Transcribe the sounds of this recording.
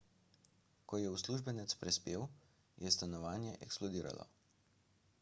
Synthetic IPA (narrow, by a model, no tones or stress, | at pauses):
kɔjɛusluːʒbɛnɛt̪spɾɛspeːw | jʔɛst̪anɔʋaːnjɛʔɛksplɔd̪iːɾa̰lɔ̰